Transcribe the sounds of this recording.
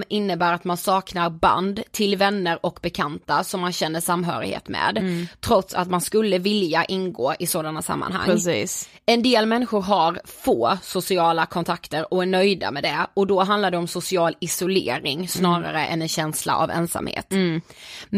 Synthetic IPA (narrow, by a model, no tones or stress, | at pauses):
ɪnːəbæːɾat̪mansɑːknaɾba̰nd̪t̪ʰɪlvɛnːəɾɔkbɛkʰant̪asɔmːanɕɛnːəʂamːɦœ̰ːɾɪ̰hḛːt̪mɛ̰ːd̪t̪ʰːɾɔt̪sa̰t̪manskɵlːəvɪljaʔɪnɡoːʔɪsoːd̪anːasa̰mːa̰nha̰ŋːsːs | ɛnd̪eːlmɛnːɪɧʊɾɦaɾfoːsʊsɪɑːlakʰɔnt̪ʰakt̪əɾɔæɳœjd̪a̰mɛd̪ɛɔd̪ɔɦand̪laɖ̪ɛɔmsʊsɪɑːlɪsʊlḛːɾɪŋsnɑːɾa̰ɾəʔɛ̰nɛnɕɛnsla̰ʔa̰vɛ̰nsa̰mhḛːt̪